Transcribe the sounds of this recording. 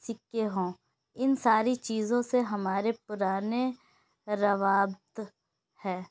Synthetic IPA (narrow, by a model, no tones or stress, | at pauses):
sɪkːeɦõː | ɪnsaːɾit͡ʃiːzõseɦɐmaːɾepʊɾaːne | ɾɐʋaːbt̪ | hɛː